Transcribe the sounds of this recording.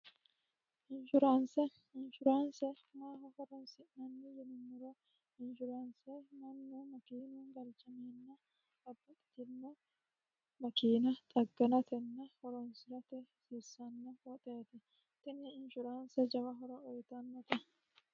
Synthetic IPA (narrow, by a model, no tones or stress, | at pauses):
ʔɪnʃʊɾaːnsɛ | ɪnʃʊɾaːnsɛ | maːɦɐhɔɾɔnsɪnɐnːɪjɛnʊnːʊɾɐ | ɪnʃʊɾaːnsɛnɐnːomɐkiːnuːŋɡɐlt͡ʃɐmeːnːɐ | ɐbːɐtʼt̪ɪnːɐ | mɐkiːnɐt̪ʼɐɡːɐnɐt̪ɛnːɐhɔɾɔnsɪɾɐt̪ɛsisːɐnːɐfɔt̪ʼeːt̪ɛ | t̪ɪnːɪɪnʃʊɾaːnsɛd͡ʒɐwɐɦɔɾɐɔjt̪ɐnːɐt̪ɛ